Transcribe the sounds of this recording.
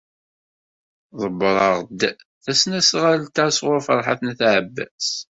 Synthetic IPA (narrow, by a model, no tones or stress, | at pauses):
ðˤəbɾˤɑʁd̪ | θæsnæsʁalt̪æsʁʊɾfəɾˤħa̰θnæθʕəbːæ̰s